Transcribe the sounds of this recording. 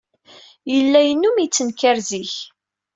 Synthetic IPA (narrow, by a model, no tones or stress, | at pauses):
jəlːæjənːumit͡sːənkæɾziç